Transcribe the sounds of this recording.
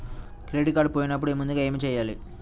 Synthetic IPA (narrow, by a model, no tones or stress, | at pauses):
kɾeːʈikaːɾɖpoːjinɐpːuɽuemund̪uɡaːe̞ːmiːt͡ʃɛːjːaːlḭ